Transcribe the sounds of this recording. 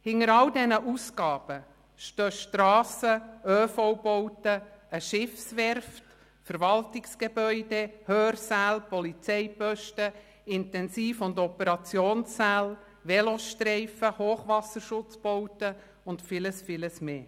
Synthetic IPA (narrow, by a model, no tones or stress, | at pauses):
hɪŋəɾɑldɛnəʔusɡ̥ɑːb̥ə | ʃtøːʃtɾɑːsəøːfoʊbowtəəʃɪfsʋɛɾft | fəɾʋɑltɪksɡ̥ebœʏd̥ehøːɾsæːlpɔlit͡sɛɪpœʃtə | ɪntɛnsiːfʊndɔpəɾɑt͡sjoːnsːæːl | ʋɛloʃtɾɛɪfəhoːχʋɑsəɾʃʊt͡sb̥owtə | ʊntfɪləsfɪləsmeː